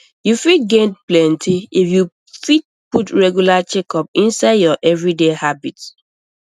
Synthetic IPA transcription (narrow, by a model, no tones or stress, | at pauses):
jufit̚ɡẽnplɛ̃ntʰiifju | fit̚putɹɛɡjulat͡ʃɛkɔp̚ĩnsaɪdjɔʔɛvɹidehabit